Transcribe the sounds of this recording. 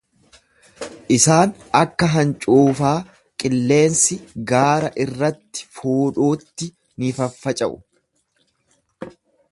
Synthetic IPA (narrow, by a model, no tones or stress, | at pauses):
ʔɪsaːn | ɐkːɐɦɐnt͡ʃʼuːfaː | kʼɪlːe̞ːnsɪɡaːɾɐʔɪrːɐt̪ːɪ̥fuːᶑuːt̪ːɪ | nifɐfːɐt͡ʃʼɐʔʊ̰